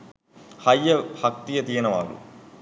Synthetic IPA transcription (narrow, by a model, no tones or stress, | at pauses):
hɐjːɐhɐk̚t̪ijɐt̪iːnɐʋaːɡṵ